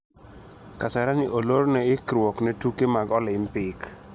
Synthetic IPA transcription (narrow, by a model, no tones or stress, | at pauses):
kasɛɾanɪʔoloɾnɛɪkɾwoknetukemaɡɔlɪmpɪk